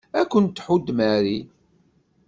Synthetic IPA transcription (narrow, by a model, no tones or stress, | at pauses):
ækʷːənt̪ːħud̪ːmæɾi